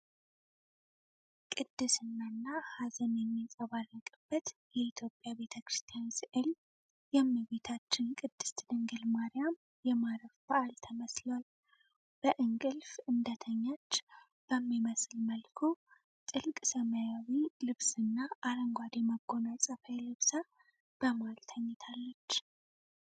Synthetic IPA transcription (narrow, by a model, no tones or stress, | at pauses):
kʼɨd̪̥ːɨsɨnːanːahazənjɛmːisʼəβarːəkʼɨb̥ːət̪jɛit̪ʰjo̞pʼjabe̞t̪ʰəkɾɨst̪ʰijansʔɨl | jɛmːɨβe̞t̪ʰat͡ʃːɪnkʼɨd̪̥ːɨ̥st̪d̪əŋɡəlmaɾɪjam | jɛmaɾəfbəʔalt̪ʰəməsləwal | b̥əʔɨŋɡʼɨlfʔɨnd̪ət̪ʰəɲːat͡ʃː | b̥əmːiməsɨlməlkʰo̞ | t̪ʼɨlkʼsəməjawilɨβsɨnːaʔaɾəŋɡʷwad̪jɛməɡːo̞nasʼəfəjlɨβsa | b̥əmalt̪ʰəɲːɪt̪ʰalːət͡ʃː